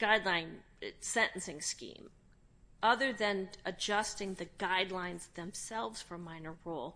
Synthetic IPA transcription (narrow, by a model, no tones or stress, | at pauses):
ɡ̥aɪdˡlãɪ̃n | sɛ̃nʔn̩sɪ̃ŋskḭ̃m | ʔʌðə˞ðɨ̃nɨd͡ʒʌstɪ̃ŋðɨɡaɪdˡlãɪ̃nzðɨ̃msɛlˠvz̥fə˞mãɪ̃nə˞ɹulˠ